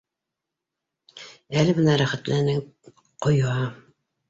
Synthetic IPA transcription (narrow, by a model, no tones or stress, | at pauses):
ælɘmɤ̆næɾæχæt̪lænɘ | qŏjɑ